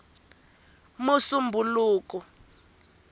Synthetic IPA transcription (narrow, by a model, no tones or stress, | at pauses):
musumbʱuluːkɔ